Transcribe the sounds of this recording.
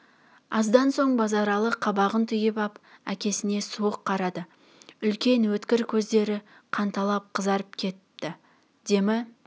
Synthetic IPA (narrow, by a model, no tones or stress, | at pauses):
ɑzd̪ɑnso̞ɴbɑzɑɾɑlˠəqʰːɑbɑʁənt̪ʰʏjɪpɑpæ̰kʲe̞sɪne̞suəqʰːɑɾɑd̪ə | ʏlkʲe̞nwɵt̪kʲɪɾkʲʰɵzd̪e̞ɾɪ | qʰɑnt̪ɑlˠɑp̚qʰəzɑɾəpkʲʰe̞t̪ːɪ | d̪e̞mɪ